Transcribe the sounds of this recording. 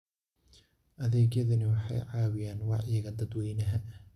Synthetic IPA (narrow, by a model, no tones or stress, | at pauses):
ʔɐðɛːɣjɐðɐnɪwɑħɑ̰jʕɑːwɪjaːnwɑʕjɐɣɐd̪ɐd̪wɛjnɐɦɐʔ